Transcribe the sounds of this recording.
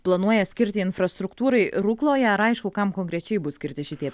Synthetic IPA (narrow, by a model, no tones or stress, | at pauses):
plˠɐnuɔjɛsʲkʲɪɾʲt̪ʲɪɪnfɾɐst̪ɾʊkt̪uːɾɐɪɾʊklˠoːjɛɐɾɐɪʃkʊkɐmkoːŋkɾʲɛt͡ʃʲɛɪbʊsʲkʲɪɾʲt̪ʲɪʃʲɪt̪ʲiɛ